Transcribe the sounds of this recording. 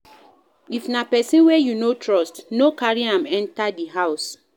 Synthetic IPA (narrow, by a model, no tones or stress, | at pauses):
ifnapɛsĩnwɛjunotɹɔstnokaɹiãmɛ̃ntadiɦaʊs